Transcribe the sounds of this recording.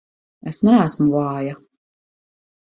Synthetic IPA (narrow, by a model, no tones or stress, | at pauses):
ɛsnaæsmuvɑːja